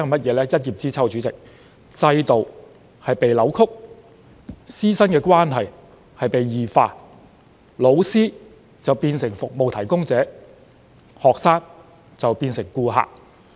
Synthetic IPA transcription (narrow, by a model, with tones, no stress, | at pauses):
mɐ˥t̚jɛː˨˧lɛː˥jɐ˥t̚jiː˨p̚t͡siː˥t͡sʰɐ˥wt͡ʃyː˨˥t͡sɪ˨k̚ | t͡sɐ˧jt̪o˨w | hɐ˨jpe˨jlɐ˨˥wkʰʊ˥k̚ | siː˥sɐ˥nkɛː˧kwaː˥nɦɐ˨j | hɐ˨jpe˨jjiː˨˩faː˧ | lo˨˥wsiː˥ | t͡sɐ˨wpiː˧nsɪ˨˩ŋfʊ˨k̚mo˨wt̪ʰɐ˨˩jkʊ˥ŋt͡sɛː˨˥ | hɔː˨k̚saː˥ŋ | t͡sɐ˨wpiː˧nsɪ˨˩ŋkuː˧ɦa̰ː˨k̚